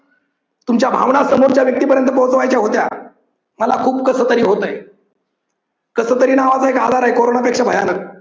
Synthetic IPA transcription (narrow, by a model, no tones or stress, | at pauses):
t̪umt͡ɕjabʱa̰ʋɳasəmoɾt͡ɕjaʋjək̚t̪iːpəɾjənt̪əpəwt͡səʋajt͡ɕjaɦot̪ja̰ | məlakʰuːpkəsəːt̪əɾiːɦot̪əj | kəsət̪əɾiːnaʋad͡zaɦekad̪ʱaɾaɦekoɾonapekʂəbʱəjanək̚